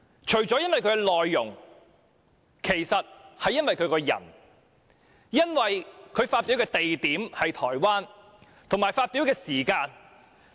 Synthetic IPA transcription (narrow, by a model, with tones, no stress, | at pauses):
t͡ʃʰɵ˨˩ɥt͡ʃɔː˨˥jɐ˥nwɐ˨jkʰɵ˧˥kɛ˧lɔː˨jːʊ˨˩ŋ | kʰe˨˩jsɐ˨t̚hɐ˨jːɐ˥nwɐ˨jkʰɵ˨˧kɔː˧jɐ̰˨˩n | jɐ˥nwɐ˨jkʰɵ˨˧ɥfaː˧t̚piː˨˥wkɛː˧t̪e˨jt̪iː˨˥mhɐ˨jt̪ʰɔː˨˩jwaː˥n | t̪ʰʊ˨˩ŋmaː˨˩jfaː˧t̚piː˨˥wkɛː˧siː˨˩kaː˧n